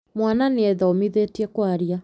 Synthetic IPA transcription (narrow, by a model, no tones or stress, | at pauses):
mwananeɛðaomiðetiɛkwaɾia